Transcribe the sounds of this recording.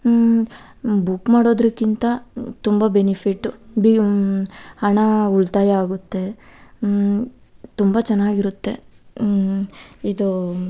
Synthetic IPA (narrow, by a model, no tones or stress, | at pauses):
bukmaːɽo̞ːd̪ɾɐkːint̪ɐt̪umbɐbe̞nipʰiʈːubi | hɐɳɐuɭt̪aːjɐaːɡut̪ːe̞ | t̪umbɐt͡ʃɐnːaːɡiɾut̪ːe̞ | id̪u